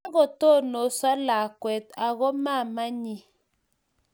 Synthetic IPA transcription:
a˦ɣɔ˨to˦˨no˨swa˦la˨kwɛ˨ta˨ɣɔ˦ma˦˨ma˦ɲi˨

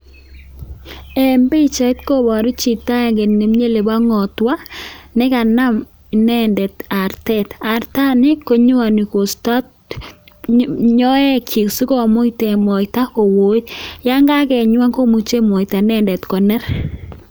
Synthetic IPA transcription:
ɛ˨mbe˦t͡ʃa˨˦tko˦bɔ˨ɾi˦t͡ʃi˨ta˦˨ɡe˨ne˨mɲe˦le˨ba˦ŋɔ˨t̪wa˦nɪ˦ka˨na˦m | i˨nɛ˦ndɛ˨ta˨ɾtɛ˦ta˨ɾta˦nɪ˦ko˦ɲʊ˦wa˨ni˨ko˨sta˦t | ɲɔ˦ɛ˦kʰi˨ksu˦kɔ˦˨mo˦i˦tɛ˨mɔ˨ɪta˦ko˨wo˨˦tja˦ŋɡa˦kɛ˨ɲwa˦ŋko˦mu˨t͡ʃe˦mɔ˨i˨ta˨nɛ˦˨ndɛ˨tkɔ˨nɛ˦ɾ

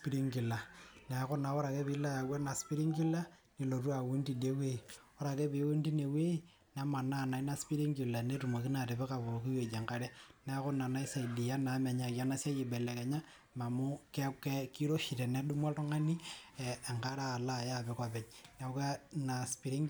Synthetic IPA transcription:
spi˦ɾi˦ŋɡi˨la˨nɛ˨kɔ˦na˨ɔ˦ɾa˨kɛ˦pi˨˦la˦ja˨wa˦na˨spi˦ɾi˦ŋɡi˦la˦ni˨lo˨tu˦a˨wu˦ndi˦˨de˦we˦i˨ | ɔ˦ɾa˨kɛ˦pe˨˦wu˦nti˦ne˨we˦i˦ | na˨˦ma˨na˦˨na˨i˦na˦spi˦ɾi˦ŋɡi˨la˨ne˦tu˨mo˨ki˦na˨tɪ˨bɛ˦ka˨βo˨ki˦jo˨d͡ʒe˨ŋka˦ɾɛ˦nɛ˨˦kɔ˦na˨na˨˦i˦sa˨i˨di˨ja˦na˨˦mɛ˨ɲa˨kja˦na˦sa˦ji˨bɛ˨lɛ˨kɛ˨ɲa˦ | ma˨mu˦kɛ˦kɛ˦ki˦ɾo˦ʃi˨tɛ˨nɛ˨˦ɗu˦mɔ˦ltɔ˦ŋa˦ni˦ɛː˨ŋɡa˦ɾa˦˨la˦˨ja˦˨bɛ˨˦ka˨pɛ˨ɲna˨˦ka˦na˨spi˨ɾi˦ŋ

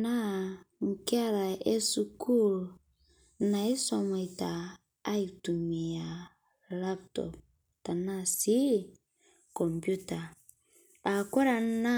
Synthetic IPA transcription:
na˦ŋ̩˨ka˦ɾa˨ʔe˦su˨ku˦˨l | na˨i˦sɔ˨ma˨i˨taː˨˦ | i˨tu˨mi˨a˨ | la˦p̚tɔ̰˨p̚ | ta˨na˦si˦ | kɔ˨mpju˦ta˨ | a˨kɔ˦ɾa˨na˦

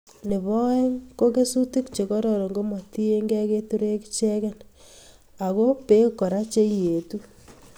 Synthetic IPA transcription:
ne˨βɔ˦e˦ko˦ɣe˦su˦ti˦kt͡ʃe˨ɣo˦ɾɔɾɔ˨ŋɡo˦mo˨ti˦e˦ŋɡe˦ɣe˦tu˦ɾe˦kit͡ʃe˦ɣe˦n | a˨ɣo˦pe˦ko˨ɾa˦t͡ʃe˦ije˨tu˦

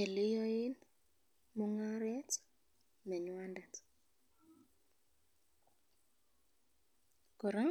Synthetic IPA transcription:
ɛ˨lɪ˦jɔ˦ɪ˦n | mʊ˨ŋa˦ɾɛ˦t͡s | mɛ˨ɲwa˦nda˨t͡s | kɔ˨ɾa˦ŋ

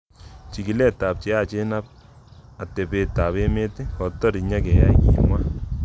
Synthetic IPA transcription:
t͡ʃi˨ki˨lɛ˦˨ta˨p̚t͡ʃɛ˨˦a˦˨t͡ʃe˦na˦p̚ | a˨te˨pe˧ta˨βe˦me˦te˦kɔ˨tɔ˦ɾi˨ɲa˦kɛ˨ja̰˦iḭ˨mwa˦

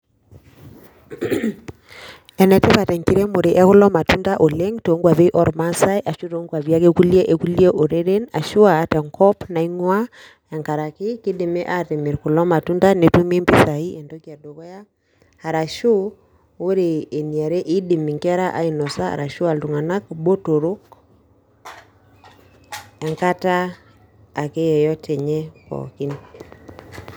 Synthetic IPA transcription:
ɛ˨nɛ˨te˦pa˨tɛ˨ŋki˦ɾɛ˦mo˨ɾe˨ʔɛ˦kʊ˦lɔ˦ma˨tu˦nda˦ʔo˨le˦ŋto˨˦ŋɡwa˨ðe˦ʔɔ˦ɾma˦sa˦jʔa˨ʃo˦to˨˦ŋɡwa˨βja˦ke˦ku˦li˦ɛ˦ʔe˨ku˦li˦ɛ˦ʔo˨ɾe˦ɾe˦na˨ʃu˦a˨tɛ˨ŋkɔ˦pna˨i˦ŋwa˦ | ja˨ŋka˨ɾa˨ke˦ke˦de˨mɛ˦ʔa˦te˨me˨ɾkʊ˨lɔ˦ma˨tu˦nda˦ne˨tu˦me˦mbi˦sa˨i˦ɛ˨ndɔ˦kja˨dɔ˨ɣɔ˦ja˦ | ha˨ɾa˨ʃu˦ | o˦ɾe˨e˨ni˨a˨ɾe˦ʔi˦dɪ˨mi˨ŋkɛ˦ɾa˦ʔa˨˦i˨nɔ˨sa˦a̰˨ɾa˨ʃu˦a˨ltu˨ŋa˨na˦k̚bo˦to˨ɾo˦k | ɛ˨ŋka˦taː˦˨ | ke˦jɛ˨jɔ˦tʰɛ˨ɲɛ˦kɔ̰˨kɪ˦n

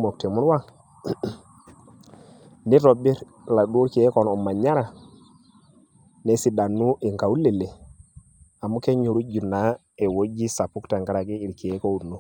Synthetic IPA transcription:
mo˨k̚te˨mu˦n˦wa˦ | ni˦to˨bi˦ɾ | la˨ɗu˦ɾki˨e˦kɔ˨nɔ˨ma˨ɲa˦ɾa˨ | ne˨si˨da˨nːu˦ʔi˨ŋka˨u˦le˨le˨ | a˨mu˦ke˦ɲu˨ɾu˦d͡ʒu˨na˨˦ | e˨wo˦d͡ʒi˦sa˨pu˦kta˨ŋɡa˦ɾa˨ɡi˦i˨ɾki˨e˨˦ko˦u˨nu˦

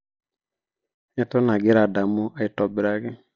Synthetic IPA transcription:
ɛ˦tɔ˦na˨ɡɪ˦ɾa˨da˨mʊ˦a˦ɪ˨tɔ˨bɪ˨ɾa˦ɡɪ˦

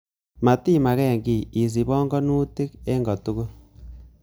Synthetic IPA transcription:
ma˨ti˦ma˨ɣe˦˨ŋɡi˨i˨s̬i˨βoː˦ŋɡo˦nuː˦ti˦ke˦ŋɡo˨tu˦ɣo˦

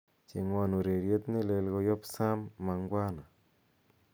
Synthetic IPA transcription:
t͡ʃe˨ŋwa˨nu˨ɾe˨ɾje˦t̪ne˦˨le˨lɣo˦jɔ˦psa˦mːa˨ŋɡwa˦na˨

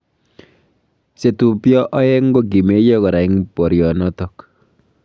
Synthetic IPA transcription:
se˨tu˨pjɔ˦ʔɔ˦ɛ˦ŋ˦ɡo˦ɡi˨me˦jɔ˦kɔ˨ɾa˨i˦ŋpɔ˨ɾjɔ˨nɔ˦tɔ˦k

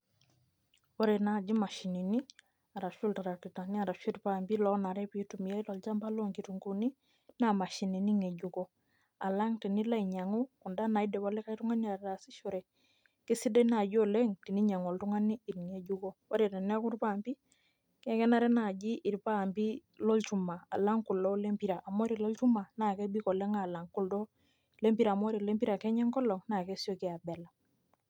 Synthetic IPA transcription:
wɔ˦ɾe˨na˨d͡ʒi˦ma˨ʃi˨ni˨ni˦ | a˨ɾa˨ʃu˦lta˨ɾa˨ki˨ta˨ni˦a˨ɾa˨ʃi˦ɾpa˨mbi˦lɔ˦na˨ɾɛ˦pi˦tu˨mi˨ja˦i˦lɔ˨lt͡ʃa˦mba˦lo˦ŋɡi˨tu˨ŋɡu˨ni˦ | na˨ma˨ʃi˨ni˨ni˦ŋɛ˨ɟu˨kɔ˦ | a˨la˦ŋti˨ni˦la˦iɲa˨ŋu˦ku˨nda˦na˨i˦dɛ˨βɔ˨lɛ˦ka˦jtu˦ŋa˦nia˨ɾɾa˨si˦ʃo˨ɾɛ˨ | ki˦si˦dɛ˦na˨ɟo˦lɛ˦ŋti˨ni˦ɲa˨ŋo˨ltu˦ŋa˦ni˦i˨ɾŋe˨ɟu˦ko˦wɔ˦ɾe˨tɛ˨nɛ˦ku˦ɾpa˦˨mpi˦ | kɛ˦kɛ˦na˦ɾɛ˦na˨ɟi˦ʔi˨ɾpa˦˨mpi˦ | lɔ˦lt͡ʃu˦ma˨a̰˨la˦ŋku˨lɔ˦le˦mpi˨ɾa˨ʔa˨m˦o˦ɾi˨lɔ˦lt͡ʃu˦ma˨na˨kɛ˦bi˦kɔ˨lɛ˦ŋa˨la˨ŋku˨ldɔ˦ | le˦mpi˦ɾa˨mo˦ɾi˨le˦mpi˦ɾa˨kɛ˦ɲɛ˦ŋkɔ˦lɔ˨ŋna˨kɛ˦si˦o˦ki˦a˨bɛ˨la˨

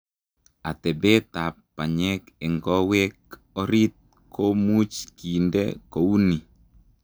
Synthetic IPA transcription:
a˨tɛ˨be˦ta˨pː | a˨ɲɛ˦kɛ˨ŋɡɔ˦we˦k | ɔ˦ɾi˦t̪̚ | ko˦mu˦t͡ʃki˨ndɛ̰ko˨u˦ni˨

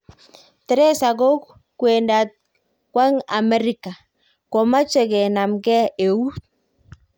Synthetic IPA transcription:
tɛ˦ɾɛ˦sa˨ɡo˦k | kwe˨nda˨t̚ | kwa˦ŋa˨mɛ˦ɾi˨ka˨ | kɔ˨ma˦t͡ʃe˨ɡɛ˨na˨mɡɛ˦e˨u˦t̚

